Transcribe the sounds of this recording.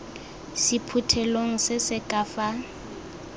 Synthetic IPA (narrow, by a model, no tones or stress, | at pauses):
sipʰutʰɛloŋ̩sɪsɪkʼafa